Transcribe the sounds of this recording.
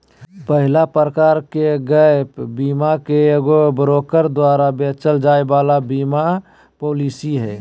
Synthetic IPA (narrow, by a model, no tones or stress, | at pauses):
pəɦɪlapəɾəkaːɾkeɡəpbiːmakeɡobəɾoːkəɾd̪waːɾabeːt͡ʃəld͡ʒaːebaːlabiːma | poːliːsiɦɛː